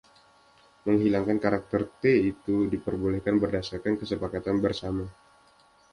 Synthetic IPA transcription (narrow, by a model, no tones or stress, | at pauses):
məŋɦilaŋkankaɾak̚t̪ərt̪eit̪udipərbolɛhkanbərdasarkankəsəpakat̪anbərsama